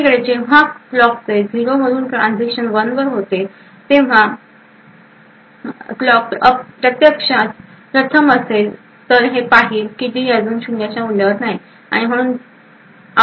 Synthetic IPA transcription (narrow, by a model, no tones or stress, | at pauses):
kəɭed͡ʑeʋ̤aklɔk̚t͡sed͡ziɾom̤əɽuːnʈɾãnd͡zikɕənʋənʋəɾɦot̪e | t̪eʋ̤a | klɔkəpɾət̪jəkʂa | pɾət̪ʰəməse | t̪əɾɦepaɦiːlkit̪iːəd͡zuːnɕunjat͡ɕjauljəɾnaɦi | a̰ɽ̃im̤əɽ̃uːn